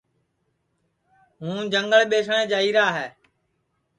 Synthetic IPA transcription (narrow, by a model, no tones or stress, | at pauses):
ɦũːd͡ʒəŋɡəɭɓeːsɳ̃ẽːd͡ʒaːiːɾaːɦɛː